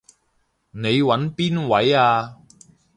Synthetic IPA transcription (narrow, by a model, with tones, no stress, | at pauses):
ne˨˧jwɐ˨˥npiː˥nwɐ˨˥jaː˧